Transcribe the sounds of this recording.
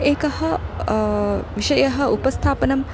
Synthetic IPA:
eːkɐhɐ | ʋiʃɐjɐɦɐupɐst̪ʰaːpɐnɐm

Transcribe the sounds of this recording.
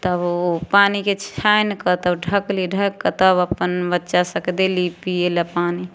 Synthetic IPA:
t̪əbopaniket͡ʃʰajnkət̪əbɖʱəkliɖʱəkːət̪əbəpːənbətːʃasəkd̪elipielapani

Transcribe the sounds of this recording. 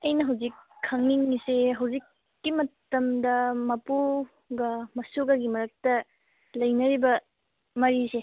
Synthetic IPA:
ɐjnɐɦɐwzikʰːɐŋniŋiseɦɐwzikː | imɐtɐmdɐmɐpu | ɡɐmɐsoɡɐɡimɐɾɐk̚tɐ | lɐjnɐɾibɐ | mɐɾise

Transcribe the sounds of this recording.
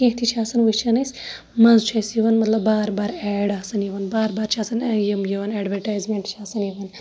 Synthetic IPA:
kẽɦʈ̪ʰit͡ʃʰaːsɐnʋɨt͡ʃʰɐnɐsʲ | mɐnzt͡ʃʰɐsiʋɐnmɐt̪lɐbːaːɾbaːɾɛːɽaːsɐnjiʋɐnbaːɾbaːɾt͡ʃʰaːsɐnjimjiʋɐnɛːɖʋɐɾʈaːzmẽːɳʈt͡ʃʰaːsɐniʋɐn

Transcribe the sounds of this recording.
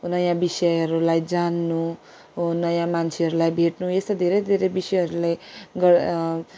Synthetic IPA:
ɦonʌjãbisʌɦʌɾulajd͡zanːu | ɦonʌjãmant͡sʰeɦʌɾulajbʱeʈnujest̪ad̪ʱeɾʌd̪ʱeɾebisʌjɦʌɾulajɡʌ

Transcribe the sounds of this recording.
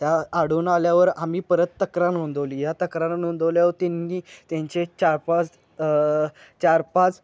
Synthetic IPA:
t̪jaːɽ̤uːnaljaʋəɾamiːpəɾət̪ːəkɾanond̪oliːjat̪əkɾaɾnond̪əljaot̪enːiːt̪jãɲt͡ɕet͡ɕaɾpat͡s | t͡ɕaɾpat͡s

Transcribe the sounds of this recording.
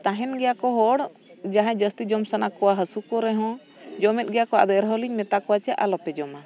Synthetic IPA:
t̪aɦɛnɡɛjakɔɦɔɽ | d͡ʒaɦãd͡ʒəst̪id͡ʒɔmsanakɔwaɦəsukɔɾɛɦɔ̃ | d͡ʒɔmɛt̪̚ɡɛjakɔa̰d̪ɔɛɾɦɔliɲmɛt̪akɔwat͡ʃɛalɔpɛd͡ʒɔma

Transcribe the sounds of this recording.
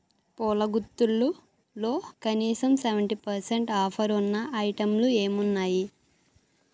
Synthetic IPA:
pɔːlɐɡut̪ːulːu | lo̞ːkɐniːsɐmseʋɐɳʈipɐɾseɳʈaːpʰɐɾunːɐʔɐjʈɐmlue̞ːmunːaːji

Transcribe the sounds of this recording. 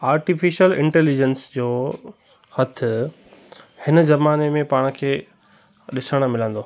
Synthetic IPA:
aːɾʈifiʃəlɪ̃ɳʈɛːlid͡ʑənsd͡ʑoː | hɐt̪ʰʊ̆ | hɪnzɐmaːnemẽpaːɽ̃̆kʰeː | ɗɪsəɽ̃̆mɪlə̃nd̪oː

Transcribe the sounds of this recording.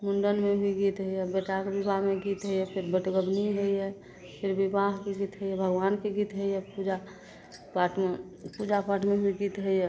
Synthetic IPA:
mʊɳɖənmebʱiɡit̪ɦəijɛbeʈakebɪbʱaɦmeɡit̪ɦəiɛpʰɪɾbəʈɡəbniɦəiɛ | pʰɪɾbibaɦkeɡit̪ɦəiɛbʱəɡʋaːnkeɡit̪ɦəijɛpud͡ʒa | paʈme | pud͡ʒapaʈʰmebʱiɡit̪ɦəiɛ

